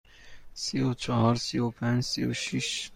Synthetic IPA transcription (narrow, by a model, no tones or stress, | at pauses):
siot͡ʃʰɒhɒɾsiopʰænd͡ʒsio̰ʃiʃ